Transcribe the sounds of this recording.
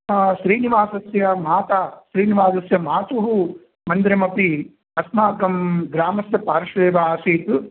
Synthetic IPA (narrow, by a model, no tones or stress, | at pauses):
ʃɾiːniʋaːsɐsjɐmaːt̪aːʃɾiːniʋaːsɐsjɐmaːt̪uɦu | mɐnd̪ɾɐmɐpi | ɐsmaːkɐmɡɾaːmɐsjɐpaːɾʃɐʋeːʋaːsiːt̪